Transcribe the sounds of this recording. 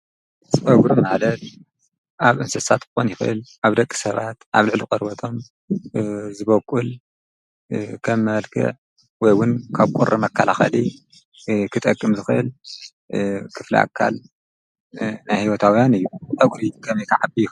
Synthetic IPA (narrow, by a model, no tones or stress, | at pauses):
zɨfɐɡɾumalɐt̪ | ʔaβʔɨnsɐsat̪kɨ̥xonjɪxɨʔɨ̰lʔaβd̪ɐkʼːi̥sɐβat̪ʔa̰βlɨʕlikʼɐɾbɐt̪ʰo̞m | zɨβɐkʼːul | kʰɐmːɐlkʰɨ̰ʕ | wɔjwʊnkʰaβkʷʼurʔimɐkʰːɐlaxɐ̰li | kʰɨt̪ʼɐkʼːɨmzɨxɨʔɨ̰l | kʰɨflḭʔa̰kʰːa̰l | najhiwɔt̪ʰawijanɨjːuʔʼɐɡɾikʰɐmek̪ʰaʕabij